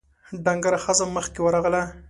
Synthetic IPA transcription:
ɖaŋɡaɾaxəzaməxkewəɾɑɣəla

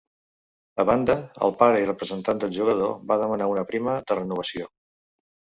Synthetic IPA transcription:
əβand̪əə̰lˠpaɾəirəpɾəzənt̪and̪əlˠʒuɣəð̞o̰βaðəmənaunəpɾiməðərənuβ̞əsio

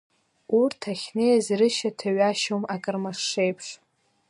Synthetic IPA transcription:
urtʰaχʲnejazrɨʃatʰaɥaʃomakʼɨrmaʂːejpʰʂ

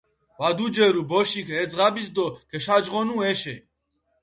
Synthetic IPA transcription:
vad̪ud͡ʒɛɾubɔʃikʰɛd͡zʁabis̬d̪ɔkʰɛʃad͡ʒʁɔnuɛʃɛ̰

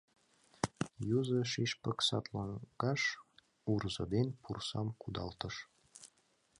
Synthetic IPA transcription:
juzɤʃiʃpə̆ksɑt̪lɑŋɡɑʃ | urzɤd̪enʲpursɑmkud̪ɑ̰lt̪əʃ

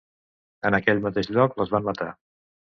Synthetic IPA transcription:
ənəkɛʎmət̪eʃʎɔkləzβammət̪a

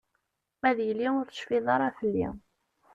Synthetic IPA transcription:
mæðjəlːiʊɾθə̥ʃfiðˤɑɾˤɑθəlːḭ

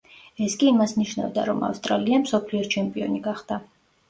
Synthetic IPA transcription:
ɛskʼiimasniʃna̰vd̪a̰ɾɔma̰fst̪ʼɾaliamsɔpʰliɔt͡ʃʰɛmpʼiɔniɡaχd̪̥a

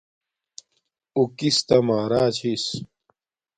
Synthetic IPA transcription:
ukist̪ɐmaːɾaːt͡ɕʰis

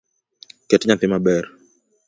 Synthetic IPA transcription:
kɛtɲatɪmabɛr

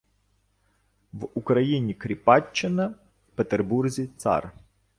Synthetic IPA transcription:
ʋukɾɐjinʲikɾʲipɑt͡ʃːɪnɐ | pet̪erburzʲit̪sɑ̰r

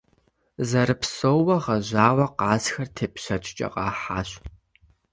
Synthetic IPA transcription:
zɐɾɨpsowwɐʁɐʑaːwɐqɑːzxɐrtʰeːpɕɐt͡ʃʷʰʼt͡ʃʼɐ̰qɑ̰ːħaːɕ

